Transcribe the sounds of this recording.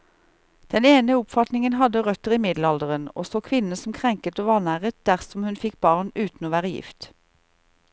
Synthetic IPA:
d̪̥ɛneːnəʊpfɑt̪nɪŋənɦɑd̪əʁœt̪əʁiːmɪd̪l̩ɑld̪əʁəno̰ːsoːkʰʋɪnən̩sɔm̩kʰʁɛŋkət̪oːʋɑːʁnæːʁət̪̚d̪̥æʁsɔmhʉnfɪkb̥ɑːʁnʉːt̪n̩oːʋæːʁəjɪ̰ft̪

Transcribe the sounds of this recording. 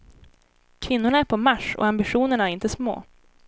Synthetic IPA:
kʰvɪnːʊɳaæɾpʰɔmaʂɔ̰ambɪɧuːnəɳaæɾɪnt̪əsmo̰ː

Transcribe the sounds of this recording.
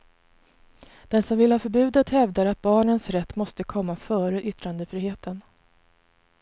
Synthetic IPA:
d̪̥ɛnsɔmvɪlhɑːfœɾbʉ̟ːd̪ət̪hɛvd̪aɾat̪̚bɑːɳənsɾɛt̪ːmɔst̪əkʰɔmːafœːɾəʔʏt̪ːɾand̪əfɾiːheːt̪ən

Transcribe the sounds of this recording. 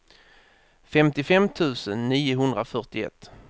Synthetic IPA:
fɛmt̪ɪfɛmt̪ʰʉ̟ːsənːiːʊɦɵnd̪ɾafœʈɪɛ̰t̪ː

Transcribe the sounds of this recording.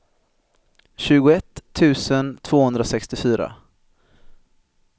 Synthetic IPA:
ɕʉ̟ːɡʊɛt̪ʰːʉ̟ːsənt̪ʰv̥oːhɵnd̪ɾasɛkst̪ɪfyːɾa̰

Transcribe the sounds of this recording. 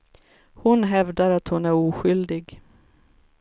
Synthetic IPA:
hʊnɦɛvd̪aɾat̪hʊnæɾuːɧʏld̪ɪɡ

